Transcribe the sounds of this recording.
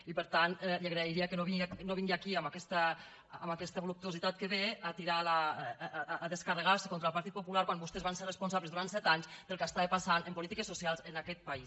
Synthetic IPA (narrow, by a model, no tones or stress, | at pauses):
ipəɾt̪anlaɣɾeiɾiəkənoβiŋnoβiŋɡiakiambakɛst̪əː | makɛst̪əβolup̚t̪uozit̪at̪̚kəβeat̪iɾalaː | ðəskarəɣaɾsəkonɾəlˠpaɾt̪it̪̚pupulaɾkwanbust̪ezβanserəspunsaβləzðuɾant̪sɛt̪aɲsd̪əlˠkast̪aepasanəmpulit̪ikəsːusialˠzənakɛt̪̚pais